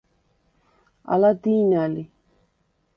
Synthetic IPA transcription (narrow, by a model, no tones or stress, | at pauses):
a̰ladinali